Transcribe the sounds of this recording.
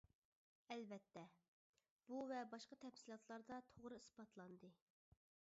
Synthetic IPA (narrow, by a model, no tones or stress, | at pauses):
ɛlbɛt̪ʰːɛ | b̥uvɛbɑʃqɑt̪ʰɛfsilˠɑt̪lˠɑɾd̪ɑt̪ʰoʁɾɨispɑt̪ʰlˠɑnd̪ɨ